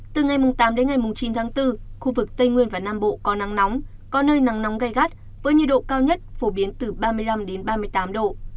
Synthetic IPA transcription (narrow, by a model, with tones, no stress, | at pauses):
t̪ɨ˨˩ŋa˨˩jmʊ˨˩ŋ͡mt̪aː˨˦mɗe˨˦nŋa˨˩jmʊ˨˩ŋ͡mt͡ɕi˨˦nt̪ʰaː˨˦ŋt̪ɨ˧xu˧vɨ˨˩k̚t̪ə˧jŋwi˧ənvaː˨˩naː˧mɓo̰˧˨kɔ˨˦na˨˦ŋnɔ˨˦wŋ͡m | kɔ˨˦nəː˧jna˨˦ŋna˨˦wŋ͡mɣa˧˩jɣa˦˥t̚ | vəː˨˦jɲɨ˧˩ɗo̰˧˨kaː˧wɲə˦˥t̚fo˧˩ɓi˨˦ənt̪ɨ˨˩ɓaː˧mɨ˧əjla˧mɗe˨˦nɓaː˧mɨ˧əjt̪aː˨˦mɗo̰˧˨